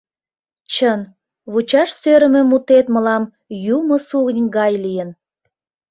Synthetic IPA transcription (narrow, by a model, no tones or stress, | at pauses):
t͡ɕən | βut͡ɕɑʃsøɾəmĕmut̪et̪məlɑm | juməsuɣənʲɡɑjlijən